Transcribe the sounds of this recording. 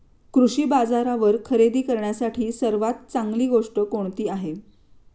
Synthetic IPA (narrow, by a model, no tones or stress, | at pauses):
kɾuʂiːbad͡zaɾaʋəɾkʰəɾed̪iːkəɾɳjasaʈʰiːsəɾʋat̪̚t͡saŋɡliːɡoʂʈəkoɳt̪iːaɦe